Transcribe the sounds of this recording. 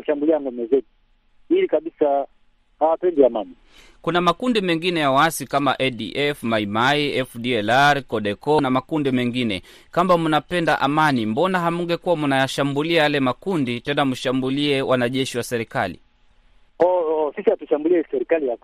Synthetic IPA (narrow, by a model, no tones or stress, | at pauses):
ʃambuliaŋɡɔmɛzɛtu̥ | ilikaɓisa | hawapɛndiamani | kunamakundimɛŋɡinɛjawaasikama̰ʔɛɗḭʔɛfmaimaiɛfɗiɛlaɾkɔɗɛkɔnamakundimɛŋɡinɛ̰ | kambamunapɛndaʔamanimbɔnaɦamuŋɡɛkuwamunajaʃambuliajalɛmakunditɛnamuʃambuliɛwʔanaʄɛʃiwasɛɾikalḭ | ɔɔsisihatuʃambuliɛsɛɾikaliak